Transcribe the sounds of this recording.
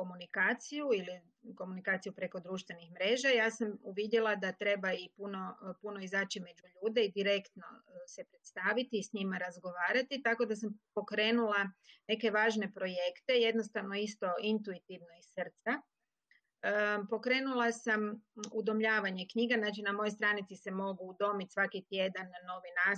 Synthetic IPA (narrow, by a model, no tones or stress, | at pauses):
komunikaːt̪sijuili | ko̞munikaːt̪sijupɾe̞ko̞d̪ɾuːʃt̪ʋe̞nixmɾe̞ːʒajaːsamuʋid̪jelˠad̪at̪ɾe̞baipuno̞puno̞izaːt͡ʃime̞d͡ʒuʎuːd̪e̞id̪iɾe̞kt̪no̞̰se̞pɾe̞t̪st̪aːʋit̪iːsɲimaɾazɡo̞ʋaːɾat̪it̪ako̞d̪asampo̞kɾe̞ːnulˠane̞ke̞ʋaːʒne̞pɾo̞je̞kt̪e̞je̞d̪no̞st̪aʋno̞ist̪o̞int̪uit̪iʋno̞isr̩t̪sa | po̞kɾe̞ːnulˠasamud̪o̞mʎaːʋaɲekɲiːɡaznaːt͡ʃinamo̞jost̪ɾaːnit̪sise̞mo̞ɡuːd̪o̞mit̪sʋakit̪je̞d̪anːo̞ʋina